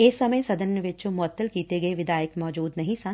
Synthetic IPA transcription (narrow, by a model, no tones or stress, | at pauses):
eːsːɐməjsɐd̪ʱənjəʋɪt͡ʃomʊət̪ːəlkiːt̪eɡɐeʋɪd̪aːjəkmɔːd͡ʒuːd̪nɐɦĩsã